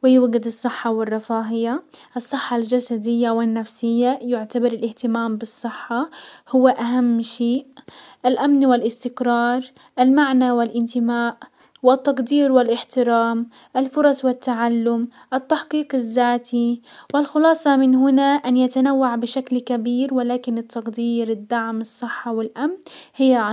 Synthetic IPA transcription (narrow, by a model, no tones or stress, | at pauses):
wɪjuwɡɪd̪ɨsˤːɨħːɑwɪrˤːɑfaːɦɪjaʔɨsˤːɨħːɑld͡ʒasad̪ɪjːawɪnːafsɪjːajʊʕt̪abɑɾˤɪlʔɪht̪ɪmaːmbɨsˤːɨħːɑhʊwːaʔaɦamːʃeːʔʔalʔamnwɪlʔɪst̪ɪkɾˤɑːɾˤ | ʔɪlmaʕnawɪlʔɪnt̪ɪmaːʔ | wɪt̪ːɑqd̪iːɾwɪlʔɪħt̪ɪɾaːm | ʔalfʊɾˤɑsˤwɪt̪ːaʕalːʊmʔɪt̪ːaħqiːqɪzːaːt̪iwɪlxʊlɑːsˤɑmɪnɦʊnaʔanjat̪anawːaʕbɪʃaklkabiːɾwɪlaːkɪnɪt̪ːɑqd̪iːɾɪd̪ːaʕmɨsˤːɨħːɑwɪlʔamnhɪjːa